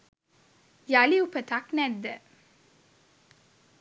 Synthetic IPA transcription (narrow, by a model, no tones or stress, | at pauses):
jaliupət̪aknɛd̪ːə